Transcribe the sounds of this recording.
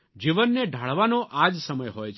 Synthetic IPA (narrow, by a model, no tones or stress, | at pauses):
d͡ʒiʋənːeɖʱaɭʋanoʔad͡ʒsəməjɦojt͡ʃʰ